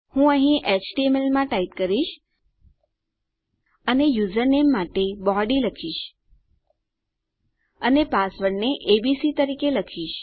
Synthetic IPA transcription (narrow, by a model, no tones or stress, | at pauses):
hũəɦĩʔet͡ʃʈiemelmãʈait̪kəɾiʃ | ənejud͡ʒəɾnemːaʈebɔɖiləkʰiʃ | ənepasʋəɽneʔebisit̪əɾikeləkʰiʃ